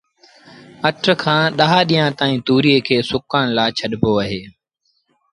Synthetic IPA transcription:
əʈʰɾkʰãːɗəɦaːɗiːjãːt̪aːĩːt̪uːɾieːkʰeːsʊkaːɽ̃laːɪt͡ʃʰəɗpoːəɦeː

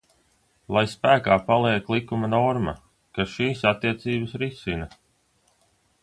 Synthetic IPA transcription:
lˠajspæːkaːpalˠiɛklˠikumanɔɾmɐ̰ | kasʃiːsat̪ːiɛt̪siːbəsɾisinɐ

